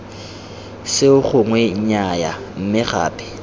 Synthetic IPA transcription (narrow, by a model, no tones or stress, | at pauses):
sɪʊχʊŋwɛɲ̩ɲaja̰ | m̩mɪχa̰ːpʼɪ̥